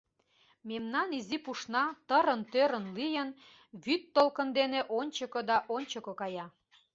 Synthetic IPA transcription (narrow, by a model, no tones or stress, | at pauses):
memnɑnizipuʃnɑt̪əɾənt̪øɾənlijən | βyt̪ːolkənd̪eneʔonʲt͡ɕəkod̪ɑʔonʲt͡ɕəkokɑjɑ